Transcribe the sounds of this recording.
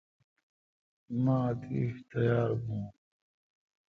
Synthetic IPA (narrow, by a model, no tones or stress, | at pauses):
mãːt̪iːht̪ɐjaːɾbũː